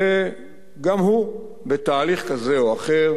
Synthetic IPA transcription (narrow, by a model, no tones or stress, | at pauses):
e | ɡamhu | bet̪aːliχkazeoaχeʁ